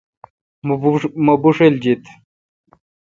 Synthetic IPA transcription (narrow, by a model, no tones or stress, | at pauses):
mobuʂeld͡ʑit̪